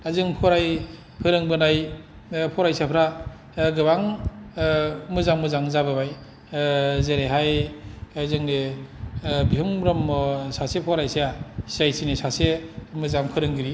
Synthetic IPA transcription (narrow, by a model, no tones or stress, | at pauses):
ajzɯŋpʰɔɾaj | pʰɯɾɯŋbɯnaj | pʰɔɾajsapʰɾa | ɡɯbaŋ | mɯzaŋmɯzaŋzabɯbaj | zeɾeɦajazɯŋne | biɦuŋɾɔmːɔsasepʰɔɾajsejasajsinesasemɯzaŋpʰɯɾɯŋɡɯɾi